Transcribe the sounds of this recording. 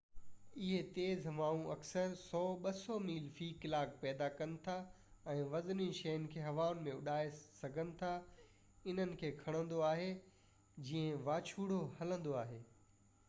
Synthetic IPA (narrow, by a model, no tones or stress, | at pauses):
ɪɦet̪eːzʋaːũɐksəɾsɔːɓɐsɔmiːlfiːkɪlaːk̚pɛːd̪akɐnɪ̆t̪ʰa | ɛ̃ːʋɐznĩʃɐjənɪ̆kʰeːɦɐʋaːʊn̆mẽʊɗaːesɐɡʱənɪ̆t̪ʰa | ɪn̤ənɪ̆kʰeːkʰɐɽ̃ə̃nd̪oaːɦe | d͡ʑĩːə̃ʋaːt͡ɕʰuːɽ̤ohɐlə̃nd̪oaːɦeː